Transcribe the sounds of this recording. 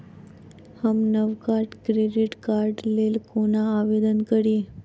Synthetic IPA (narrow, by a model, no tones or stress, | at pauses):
hamnəʋkaɾɖkɾeɖiʈkaɾɖlelkonaːʋed̪ənkəɾi